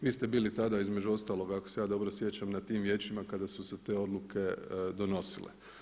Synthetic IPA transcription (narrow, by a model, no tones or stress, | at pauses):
ʋiːst̪e̞biːlit̪ad̪aizme̞d͡ʒuo̞st̪aːlˠo̞ɡakose̞jaːd̪o̞bɾosje̞t͡ʃamnat̪iːmʋje̞ːt͡ɕimakad̪asuset̪e̞ːo̞d̪lˠukʰe̞d̪o̞no̞sḭlḛ